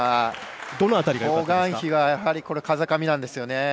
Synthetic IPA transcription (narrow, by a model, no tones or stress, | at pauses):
a | d̪o̞noat̪aɾʲiɡaoɡãɰ̃çiɡajahaɾʲiko̞ɾekazakamʲinãnd̪e̞sɨjone̞